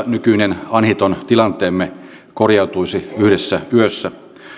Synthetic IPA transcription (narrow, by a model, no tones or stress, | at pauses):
nykyinenɑnhit̪ont̪ilɑnt̪eːmːe | korjɑwt̪uisiyhdesːæyøsːæ